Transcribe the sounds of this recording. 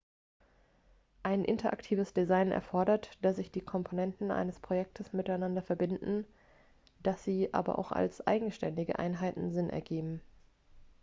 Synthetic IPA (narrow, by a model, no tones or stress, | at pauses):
ʔaɪnʔɪ̰ntɐʔa̰ktʰiːvəsd̥izaɪnɛ̰ɐfɔɐɾɐtd̥asz̥ɪçd̥iːkʰɔmpʰonɛntn̩ʔa̰ɪnəspʁ̥ojɛk̚tʰəsmɪtaɪnandɐfɛɐbɪndn̩ | d̥asz̥iːʔa̰ːbɐ̰ʔa̰ʊxa̰lsʔa̰ɪɡŋ̩ʃtɛndɪɡə̰ʔa̰ɪnɦaɪtn̩zɪnʔɛ̰ɐɡeːbm̩